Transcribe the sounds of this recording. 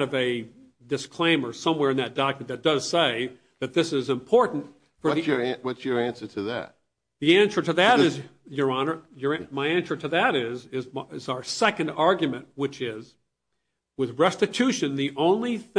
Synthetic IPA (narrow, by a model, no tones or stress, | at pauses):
ɾʌvɨ | dɨskʰl̥ẽɪ̃mə˞sʌ̃mwɛɹɨ̃nðɨt̚d̥ɑkmɨnðɨt̚d̥ʌz̥seɪ | ðɨt̪̚ðɪsɪzɨ̃mpʰɔɹʔn̩t | fə˞ðiə̃˞wʌtsjə˞æ̃nsə˞ɾɨðæ̰t̚ | ðiæ̃nsə˞ɾɨðɨɾɨz | jə˞ɑnə˞jə˞maɪæ̃nsə˞ɾɨðɨɾɪzɪzɪzə˞sɛkɨ̃ndɑɹɡjɨmɨ̃nʔwɨt͡ʃɪz | wɨðɹɛstɨtʰʉʃɨ̃nðiʔõʊ̃nliθ